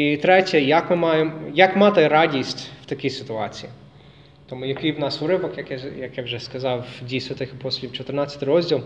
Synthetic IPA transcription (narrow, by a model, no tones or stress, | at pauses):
it̪ɾɛtʲɛjɐkmɪmɑjemɔjɐkmɑt̪ɪɾɑdʲisʲtʲw̥t̪ɐkʲisɪt̪ʊɑt͡sʲiji | t̪ɔmujɐkɪjwnɑsuɾɪʋɔkjɐkɛjɐkjawʒɛskɐzɑwdʲisʲɐt̪ɪxɪpɔsʲlʲiwt͡ʃɔt̪ɪrnɑt͡sʲːɐt̪ɪɾɔzʲdʲilˠ